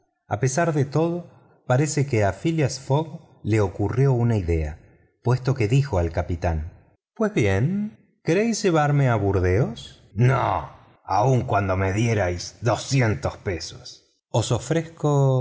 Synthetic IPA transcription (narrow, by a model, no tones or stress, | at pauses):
a̰pe̞saɾðet̪o̞ð̞o | paɾesekeafiljasfoɣ | le̞o̞kurjo̞unaiðe̞a̰ | pwe̞st̪o̞ke̞ðixo̞alkapit̪an | pwe̞zβje̞n | keɾejsʒeβ̞aɾmeaβuɾðeos | no̰ | a̰uŋkwand̪omeðjeɾajsðosjent̪ospeso̥s | oso̞fɾesko